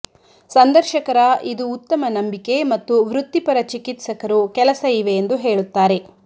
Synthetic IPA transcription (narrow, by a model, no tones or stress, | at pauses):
sɐnd̪ɐɾʃɐkɐɾɐʔid̪uːt̪ːɐmɐnɐmbike̞mɐt̪ːuʋɾut̪ːipɐɾɐt͡ʃikit̪sɐkɐɾukɛlɐsɐiʋe̞ːnd̪uɦe̞ːɭut̪ːaːɾe̞